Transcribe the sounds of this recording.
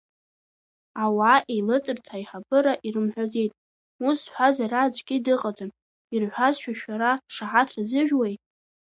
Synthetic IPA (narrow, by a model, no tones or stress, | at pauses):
awaʔejlɨt͡sʼɨrtʰaiħabɨɾaʔirɨmħʷᶣaze̞jtʼ | usħʷᶣazaraːd͡ʒʷʼɡʲɪdɨqʼad͡zɨn | irħʷᶣazʃᶣaʃᶣaɾaʂaħatʰrzɨʒᶣwejtʼ